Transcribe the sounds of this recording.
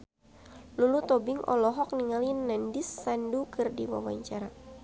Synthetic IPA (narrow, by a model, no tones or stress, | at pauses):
lulut̪ɔbiŋʔɔ̰lɔɦɔk̚niŋalinːandisːandukɨrdiwa̰wa̰ɲt͡ʃaɾa